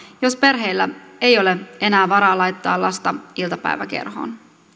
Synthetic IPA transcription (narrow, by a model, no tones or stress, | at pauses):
jo̞spe̞rɦe̞jlːæ̰e̞jo̞le̞e̞næːʋɑɾɑːlɑjt̪ːɑːlɑst̪ɑilt̪ɑpæ̰jʋæ̰ke̞̰rɦo̰ːn